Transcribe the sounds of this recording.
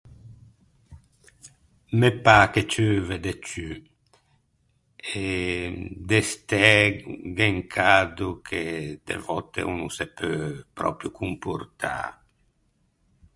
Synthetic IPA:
mepaket͡ʃøved̪et͡ʃy | e | d̪est̪ɛɡeŋkʰad̪ukʰed̪ḛvɔt̪ḛunusepʰøpɾɔ̰pɾjukumpuɾt̪ʰa̰

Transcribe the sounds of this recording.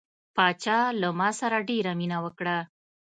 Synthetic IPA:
pɑt͡ʃɑlamɑsaɾaɖeɾaminawəkɽa

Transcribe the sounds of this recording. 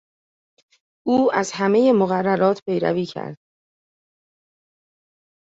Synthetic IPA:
ʔuːæzɦæme̞je̞moɣærːæɾɒːt̪ʰpʰe̞jɾæ̰viːcʰæ̰ɾd̪̥̚

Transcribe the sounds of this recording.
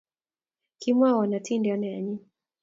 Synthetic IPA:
kimwawanatʰindianajaɲi

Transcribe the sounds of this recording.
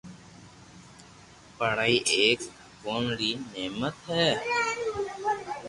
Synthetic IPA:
pəɽaːiːʔeːk | koːnɽiːneːmət̪ɦɛː

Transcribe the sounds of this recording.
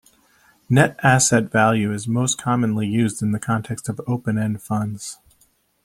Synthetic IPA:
nɛɾæsɛtv̥ælˠjʉɨzmoʊskʰɑmə̃nlijʉzdɨ̃nðɨkʰɑ̃ntʰɛkstʌvoʊpɨ̃nɛ̃nfʌ̃ndz̥

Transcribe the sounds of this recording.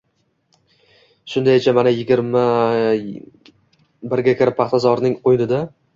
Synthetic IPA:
ʃʊnd̪ajɪt͡ʃʰamanajɪɡʲɪɾma | bɪɾɡʲakʲʰɪɾɪp̚pʰːɑχt̪ʰazɒɾnɪŋqojnɪd̪a

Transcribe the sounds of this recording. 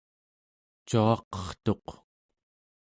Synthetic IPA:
t͡ʃuɑqʌ̥χt̪o̞q

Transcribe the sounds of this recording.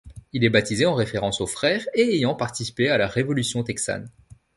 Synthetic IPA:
ilɛbat̪izeɑ̃ʁefeʁɑ̃sofχɛʁeːjɑ̃paʁt̪isi̥pealaʁevɔlysjɔ̃t̪ɛksa̰n

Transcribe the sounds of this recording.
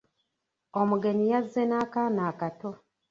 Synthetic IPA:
omuɡe̞nijazːenaːkaːnaːkato

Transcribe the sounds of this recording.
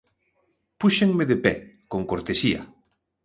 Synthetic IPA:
puʃeŋmeðepɛkoŋkoɾt̪esia̰

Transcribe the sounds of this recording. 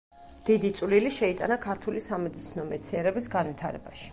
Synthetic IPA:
d̪̥id̪it̪sʼwliliʃɛit̪ʼa̰nakʰaɾt̪ʰulisamɛd̪it̪sʰinɔmɛt̪sʰiɛɾɛbisɡanvit̪ʰaɾɛbaʃi̥

